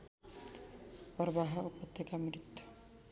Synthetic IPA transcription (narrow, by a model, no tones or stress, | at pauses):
pɔɾbaɦaupɔt̪ʰːekamɾit̪ʰːɔ̥